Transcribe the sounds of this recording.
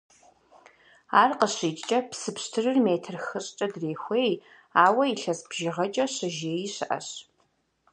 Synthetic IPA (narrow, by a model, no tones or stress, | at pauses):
aːrqəɕiːtʼt͡ʃʼɐpsɨpɕtʰɨrɨrmeːtʰɨrxɨɕʼt͡ʃʼɐdreːxʷeːj | aːwɐiɬɐsbʒɪʁɐt͡ʃʼɐɕɐʒeːjiɕɨʔɐ̰ɕ